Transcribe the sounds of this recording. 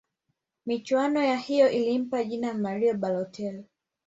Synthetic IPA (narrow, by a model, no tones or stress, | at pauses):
mit͡ʃwanɔjahijɔʔilim̩paʄinamaɾiɔɓalɔtʰɛl